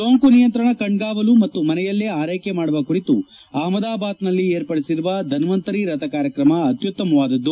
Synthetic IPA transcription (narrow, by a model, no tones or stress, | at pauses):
soːŋkunijɐnt̪ɾɐɳɐkɐɳɡaːʋɐlumɐt̪ːumɐnɛjɐlːeaːɾɐjkemaːɽuʋɐkuɾit̪u | aːmɐd̪aːbaːt̪nɐlːieːɾpɐɽisiɾuʋɐd̪ʱɐnʋɐnt̪ɐɾiɾɐt̪ɐkaːɾjɐkɾɐmɐɐt̪jut̪ːɐmɐʋaːd̪ɐd̪ːu